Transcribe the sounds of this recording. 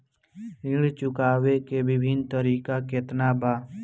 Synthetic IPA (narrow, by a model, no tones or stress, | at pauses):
ɪɽt͡ʃʊkaːʋekebɪbʱɪnt̪əɾiːkakeːt̪nabaː